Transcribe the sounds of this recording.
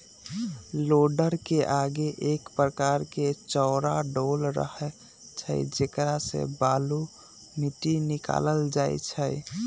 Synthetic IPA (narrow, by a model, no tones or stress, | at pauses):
loɖəɾkeʔaɡeʔekpɾəkaɾket͡ʃɔʊɾaɖolɾə̰hɛ | t͡ʃʰə̰jd͡ʒekɾasḛbalu | miʈinika̰ləld͡ʒajt͡ʃʰəj